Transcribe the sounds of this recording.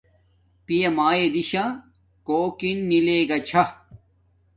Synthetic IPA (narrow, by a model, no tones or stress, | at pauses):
pijɐmaːjed̪iɕãː | koːkinːileːɡɐt͡ɕʰɐ